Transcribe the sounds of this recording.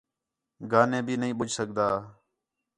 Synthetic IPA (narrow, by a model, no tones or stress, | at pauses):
ɡaːnẽːbʱiːnəɦĩːɓʊd͡ʒsəkd̪aː